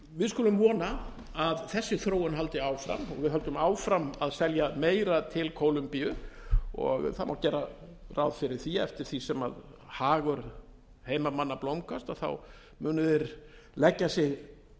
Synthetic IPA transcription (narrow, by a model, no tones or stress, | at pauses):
vɪðskʊːlʏmvɔːna | aðθɛsːɪθɾoːwʏnɦalt̪ɪaːwfɾa̰mɔɣvɪðɦœlt̪ʏmaːwfɾamaðsɛljameːjɾat̪ʰɪlkʰoːwlʏmpiʏɔ̰ɣθamawt̪cɛɾa | rawðfɪɾɪɾ̥θiɛ̰ft̪ɪɾ̥θisɛma̰ð | haːɣʏɾ̥ | heːjmamanːaplowŋkast̪aθa̰w | mʏːnʏðɪɾ | lɛcːasɪɣ